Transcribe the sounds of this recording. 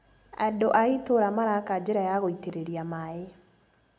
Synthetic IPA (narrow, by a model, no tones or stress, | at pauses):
a̰doʔaitoɾamaɾakad͡ʒeɾajaɣoiteɾeɾjamae